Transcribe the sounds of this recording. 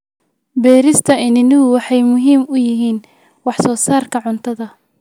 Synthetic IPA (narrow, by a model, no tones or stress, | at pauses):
bɛːɾɪst̪ʰɐɪnɪnɪɦʊwɑħɑjmʊɦiːmʊjɪɦiːn | wɑħsɔːsaːrkʰɐʕʊnt̪ʰɐðɐ